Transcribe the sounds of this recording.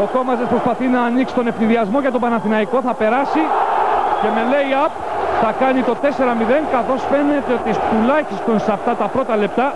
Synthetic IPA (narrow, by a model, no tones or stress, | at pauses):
o̞ko̞mɐzespɾo̞spɐθinɐːniksi̥t̪o̞ne̞fniðiɐzmo̞ʝɐt̪o̞bɐnɐθinɐiko̞θɐpe̞ɾɐsi | ce̞me̞le̞iɐp̚ | θɐkɐnit̪o̞t̪e̞se̞ɾɐmiðe̞ŋkɐθo̞sfe̞ne̞t̪eo̞t̪it̪ulɐçist̪o̞nsɐft̪ɐt̪ɐpɾo̞t̪ɐle̞p̚t̪ɐ